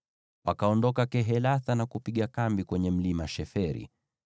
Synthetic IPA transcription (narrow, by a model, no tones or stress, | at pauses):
wʔakaɔndɔkakɛɦɛlaθanakupiɠakambikwɛɲɛm̩limaʃɛfɛɾḭ